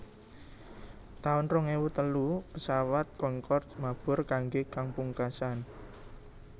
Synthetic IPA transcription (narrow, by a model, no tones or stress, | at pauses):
t̪aʊnrɔŋewut̪əlupəsawat̪̚kɔŋkɔrt̪mab̥ʊ̤rkaŋɡekaŋpuŋkasan